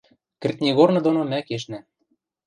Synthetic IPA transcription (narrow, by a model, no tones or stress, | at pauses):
kɘ̆rʲt̪̚ʲnʲeɣornɤ̆d̪onomækeʃ̬næ